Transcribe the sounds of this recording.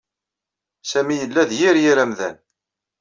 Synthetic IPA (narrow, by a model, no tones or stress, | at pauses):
sæmijəlːæðjiɾjiɾæmðæ̰n